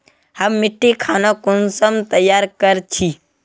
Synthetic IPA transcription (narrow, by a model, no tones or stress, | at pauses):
həmːɪʈːikʰaːnakʊnsəmt̪əjaːɾkəɾt͡ʃʰi